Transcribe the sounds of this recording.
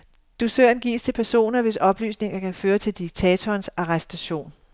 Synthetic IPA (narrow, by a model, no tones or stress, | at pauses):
d̥usøɐnɡ̥ḭːst͡sʰe̝lpʰæɐso̝̰ːnɐʋe̝sɒ̽b̥ly̰ːsne̝ŋɐkʰæføːɐt͡sʰe̝ld̥iɡ̥̚t͡sʰɛːt͡sʰɒːnsɑ̈ʁɛsd̥æɕo̝̰ːn